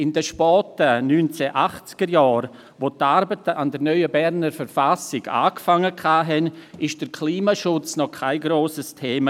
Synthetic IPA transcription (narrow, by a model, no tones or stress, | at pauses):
ɪndəʃpɔːtənyːnt͡sɛʔaχt͡skəɾjaːɾ | ʋotːaɾbətəandəɾnœʏəbɛɾnəɾfəɾfasɪɡa̰ːkfaŋːəkʰaːɦɛnɪʃd̥əɾkʰliːmaʃʊt͡snɔkʰaɪɡɾoːsəstʰeːmə